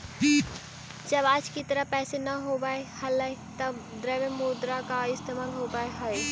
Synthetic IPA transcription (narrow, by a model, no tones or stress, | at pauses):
i | d͡ʒɐbaːd͡ʒkit̪əɾəpɛːsenɐɦoːbaehɐləet̪ɐd̪ɾeʋemoːd̪ɾakaɪst̪ʰemaːlɦoːbaeɦəe